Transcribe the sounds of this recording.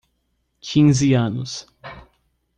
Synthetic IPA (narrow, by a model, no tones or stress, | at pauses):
kʰĩŋzɪɐ̃nʊs